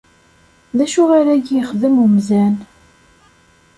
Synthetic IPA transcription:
ðæʃuʁaɾæɡjəχðəmumzæn

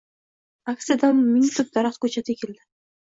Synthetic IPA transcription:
aktsijad̪anmɪnʲit̪ɪf̚d̪aɾɑχt̪kʰɵt͡ʃʰat̪ʰɪkʲʰeld̪ɪ

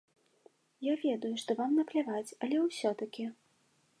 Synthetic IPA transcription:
javʲɛd̪ujuʂt̪ɔvamnɐplʲavat͡sʲɐlʲɛwsʲɔt̪ɐkʲi

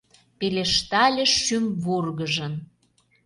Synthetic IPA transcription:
peleʃt̪ɑlʲə̆ʃːymβurɣəʒə̆n

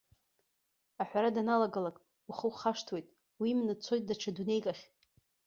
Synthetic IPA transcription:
aħʷᶣaɾadanalaɡalakʼ | uχəwχaʂtʰwe̞jtʼ | wimnɨt͡sʰo̞jt̚ʼdaʈ͡ʂʰadune̞jkʼaχʲ

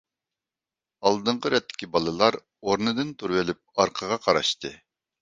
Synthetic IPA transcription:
ɑlˠd̪ɨɴqəɾɛt̪ʰːɪ̥kʲibɑlˠɨlˠɑɾ | oɾnɨd̪ɨnt̪ʰuɾwɪlɪp̚ɑɾqʰəʁɑqʰɑɾɑ̰ʃt̪ɨ

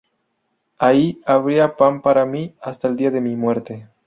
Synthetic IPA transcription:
aiaβɾiapampaɾamiast̪aeld̪iaðemimwe̞ɾt̪e

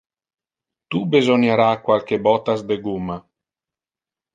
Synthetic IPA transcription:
t̪ubezonjaɾakwalkebɔt̪azd̪eɡumːa

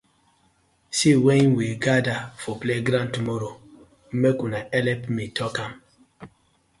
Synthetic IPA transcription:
sewɛ̃ĩnweɡadafɔpleɡɾãntumɔɾo | m̩mekunaɛlɛpmitɔkãm

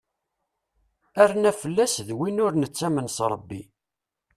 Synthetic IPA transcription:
æɾnæfəlːæsðwinʊɾnət͡sːæmənsɾˤəbːḭ

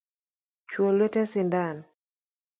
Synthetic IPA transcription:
t͡ʃwolwetɛsɪndan

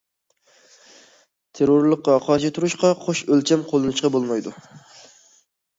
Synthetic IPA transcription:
t̪ʰeɾoɾlˠəqːɑqʰɑʃ̬it̪ʰuɾuʃqɑqʰoʃølt͡ʃʰɛmqʰolˠɨnɨʃqɑbolˠmɑjd̪u

